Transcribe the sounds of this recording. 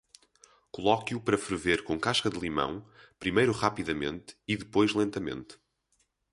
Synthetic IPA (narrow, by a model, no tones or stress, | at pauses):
kulˠɔkjupɐɾɐfɾɨveɾkõkaʃkɐðlˠimɐ̰̃w̃pɾimɐjɾuʁapiðɐmḛ̃nt̪iðɨpojʒlˠẽnt̪ɐmḛ̃nt̪